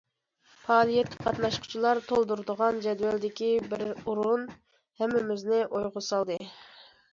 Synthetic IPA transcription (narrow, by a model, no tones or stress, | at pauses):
pʰɑːlˠijɛt̪̚ʲkʲʰi̥qʰɑt̪nɑʃqʰʊ̥t͡ʃʰilˠɑɾt̪ʰolˠd̪uɾd̪əʁɑnd͡ʒɛd̪vɛld̪ɪkʲibɪɾuɾun | hɛmːɪmɪznɪʔojʁʊsɑlˠd̪ɨ